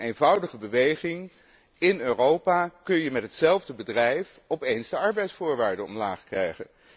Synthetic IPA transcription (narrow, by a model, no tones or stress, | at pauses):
ejnvʌwdəχəbəʋejχɪŋ | ɪnøːrowpaːkɵnjəmɛtɦətsɛlˠvdəbədrɛjf | ɔpejnzdəɑɹbɛjtsfʊːɹʋaːɹdənɔ̰mlaːχkrɛjχə̰n